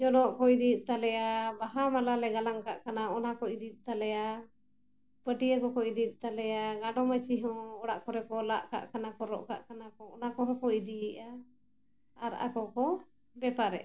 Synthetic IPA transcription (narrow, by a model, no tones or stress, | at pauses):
d͡ʒɔnɔʔkɔid̪it̪̚ˀt̪alɛjabaɦamalalɛɡalaŋkaʔkanaɔnakɔid̪it̪̚ˀt̪alɛja | bəʈijəkɔkɔid̪it̪̚ˀt̪alɛjaɡaɖɔmət͡ʃiɦɔ̃ɔɽaʔkɔɾɛkɔlaʔka̰ʔkanakɔɾɔ̰ʔka̰ʔkanakɔɔnakɔɦɔ̃kɔid̪iʔa | aɾʔa̰kɔkɔ | bɛpaɾɛ̰ʔ